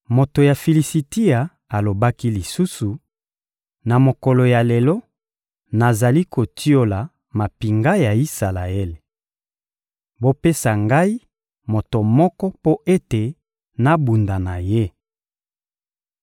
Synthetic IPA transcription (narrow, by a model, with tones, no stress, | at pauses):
mo˨to˨ja˨fi˨li˨si˨ti˦a˨ | a˨lo˨ba˦ki˦li˨su˦su˨ | na˨mo˨kɔ˨lɔ˨ja˨le˨lɔ˦ | na˨za˨li˦ko˨tʰi˦o˦la˨ | ma˨pi˨ŋɡa˦ja˨i˦sa˨la˨e˦le˨ | bo˦pe˦sa˨ŋɡa˦i˦ | mo˨to˨mɔ˦kɔ˦po˦ʔe˦te˨ | na˨bu˨nda˨na˨je˦